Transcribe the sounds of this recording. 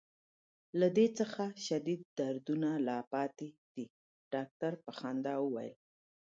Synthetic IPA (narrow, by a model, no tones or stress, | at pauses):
lad̪et͡səxaʃad̪id̪̚ːaɾd̪unalɑpɑt̪ed̪̥i | ɖ̥ɑk̚ʈaɾpəxɑnd̪ɑwəwa̰jə̰l